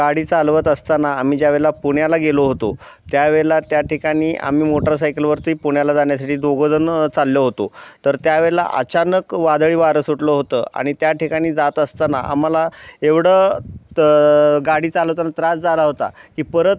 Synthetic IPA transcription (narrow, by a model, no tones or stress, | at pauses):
ɡaɽiːt͡salʋət̪əst̪anaːm̤iːd͡ʑjaʋeɭlapuɳjalaɡeloɦot̪o | t̪jaʋeɭlat̪jaʈikaɽ̃iːʔa̰m̤iːmoʈəɾs̬ajkəlʋəɾt̪uiːpuɳjalad͡zaɳjasaʈiːd̪oɡod̪ənt͡salːjəɦot̪ot̪əɾt̪jaʋeɭla̰ʔə̰t͡ɕanəkʋad̪ɭiːʋaɾəsuʈləɦot̪əːa̰ɽ̃it̪jaʈikaɽ̃iːd͡zat̪əst̪anaa̰m̤alaeʋɽə | ɡaɽiːt͡saləʋt̪anat̪ɾasd͡zalaɦot̪a̰kiːpəɾət̪